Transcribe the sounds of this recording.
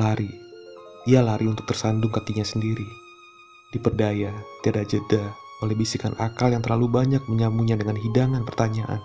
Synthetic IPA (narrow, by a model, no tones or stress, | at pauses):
laɾi | ialaɾiunt̪ʊk̚t̪ərsandʊŋkat̪iɲasəndiɾi | dipərdajat̪iadad͡ʒədaolɛhbisikana̰kaljaŋt̪ərlalubaɲak̚məɲamuɲadəŋanɦidaŋanpərt̪aɲaʔa̰n